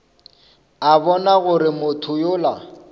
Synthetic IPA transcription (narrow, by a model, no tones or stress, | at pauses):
abɔnaɣʊɾɪmʊtʰʊjʊla